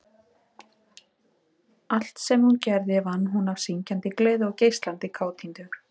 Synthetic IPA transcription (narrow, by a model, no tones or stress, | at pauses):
al̥t̪sɛmhuncɛɾðɪvanːɦunavsiɲcant̪ɪkleːðɔwceːjst̪lant̪ɪkʰaːwt̪ʰint̪ʏ